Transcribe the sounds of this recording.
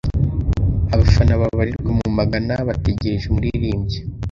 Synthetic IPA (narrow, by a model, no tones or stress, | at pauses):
aβafanaβaβaɾiɾɡemumaɡanaβateɟeʒemuɾiɾiːmɟe